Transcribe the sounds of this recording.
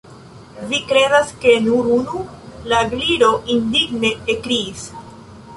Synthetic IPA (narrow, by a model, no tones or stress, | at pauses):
vikɾe̞daske̞nuɾunu | laɡliɾo̞ʔindiɡne̞ːkɾiːs